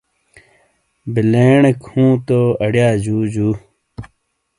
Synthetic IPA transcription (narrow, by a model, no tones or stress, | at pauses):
bileːɳekhũːt̪oːɐɽjaːd͡ʑuːd͡ʑuː